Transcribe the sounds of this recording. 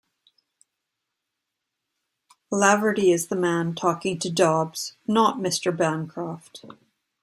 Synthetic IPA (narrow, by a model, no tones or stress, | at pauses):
lævɹəɾiɪzðəmæ̃ntʰɔkɪ̃ŋtʰɨdɑbz̥nəʔ̚mɪstə˞bæ̃nkʰɹ̥æft